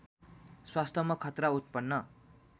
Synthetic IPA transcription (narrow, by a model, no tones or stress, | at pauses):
swast̪ʰʌmʌkʰʌt̪raut̪̚pʌnːʌ